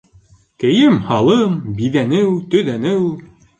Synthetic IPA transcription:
kɘ̆jɘmhɑlˠɤmbiðænɘwt̪ɵ̆ðænɘw

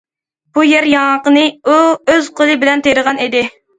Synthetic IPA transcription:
b̥ujɛɾjɑŋɑqənɨuøz̥qʰolˠɨbɪlɛnt̪ʰeɾəʁɑnid̪ɪ

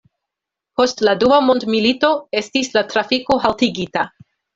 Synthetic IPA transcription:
po̞stladuamo̞ndmilito̞e̞stislatɾafiko̞ɦaltiɡita

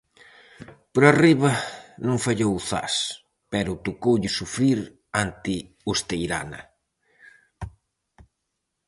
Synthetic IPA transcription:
poɾariβɐnõŋfaʎowθa̰s | pɛɾʊt̪okowʎɪsufɾiɾ | ant̪ɪ | ust̪ejɾa̰nɐ̰

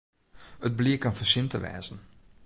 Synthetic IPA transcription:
əd̚bliəkanfəsɪntəʋɛ̰ːzən̩

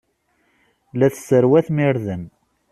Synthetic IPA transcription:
læθsəɾwæθmiɾðən

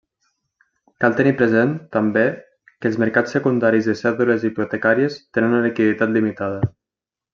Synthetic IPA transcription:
kalˠt̪ənipɾəzent̪əmbe | kəlˠzməɾkat͡sːəkund̪aɾizðəsɛðuləziput̪əkaɾiəst̪enənulikiðit̪at̪limit̪að̞ə

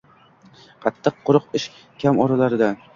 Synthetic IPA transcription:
qʰɑt̪ʰːɨq̚ʰːʊɾɨqɪʃ | kʲʰamɒɾalaɾɪd̪a

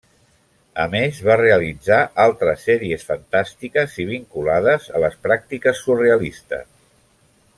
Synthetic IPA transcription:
ə̰mezβareəlid͡zaʔalˠt̪ɾəsːɛɾiesfənt̪ast̪ikəziβ̞iŋkulaðəzə̰ləspɾak̚t̪ikəsːureəlist̪ə̰s

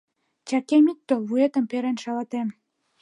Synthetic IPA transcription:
t͡ɕɑkemit̪ːoβuet̪ə̆mpeɾenʃɑlɑt̪em

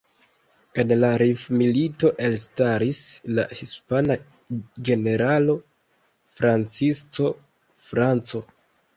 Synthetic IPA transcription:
e̞nlaɾifmilito̞ʔe̞lstaɾislahispana | ɡe̞ne̞ɾalo̞ | fɾant͡sist͡so̞ | fɾant͡so̞

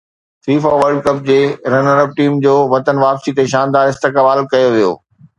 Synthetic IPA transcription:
tɾiːfaʋɐɾɖkɐp̚d͡ʑeːɾɐnɐɾəb̚ʈiːmd͡ʑoːʋɐt̪ənʋaːpsit̪eʃaːnd̪aːɾɪst̪ɪkːbaːlkɐjoʋijo̰ː

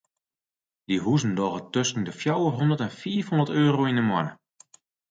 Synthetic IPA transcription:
diɦuzn̩dɔɣətøstŋdəfjawəɦɔndətɛnfiːəfhondərtøːɾoindəmwɔnə

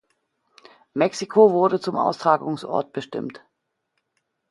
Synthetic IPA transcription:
mɛksikʰovʊɐdət͡sʊmʔa̰ʊstʁ̥aːɡʊŋsʔɔ̰ɐt̚b̥əʃtɪ̰mt

